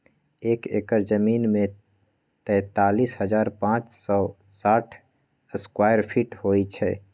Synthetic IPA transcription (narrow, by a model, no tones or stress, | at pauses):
ekḛkəɾd͡ʒəminme | t̪ɛ̃ːt̪alisɦəd͡ʒaːɾpãt͡ʃsɔ | saʈʰ | əskwajəɾpʰiʈhojt͡ʃʰɛ